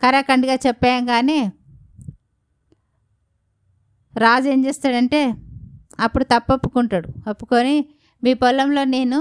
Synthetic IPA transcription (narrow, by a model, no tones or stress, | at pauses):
kɐɾɐkɐɳɖiɡaːt͡ʃɛpːaːɐŋɡaːneː | ɾaːd͡ʒe̞ːɲd͡ʒeːst̪aːɽɐɳʈe̞ː | ɐpːuɽut̪ɐpːɐpːu̥kuɳʈaːɽuɐpːu̥koːni | miːpɔlːɐmlo̞ːne̞ːnu